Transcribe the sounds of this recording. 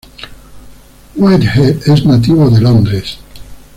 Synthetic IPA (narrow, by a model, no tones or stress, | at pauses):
wajt̪heeznat̪̬iβoðelond̪ɾes